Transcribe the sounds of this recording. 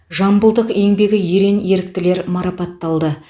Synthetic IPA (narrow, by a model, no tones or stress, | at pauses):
ʒɑmbəlˠd̪əqe̞ŋbe̞ɡʲɪje̞ɾe̞nje̞ɾɪk̚t̪ɪle̞ɾmɑɾɑpɑt̪ːɑlˠd̪ə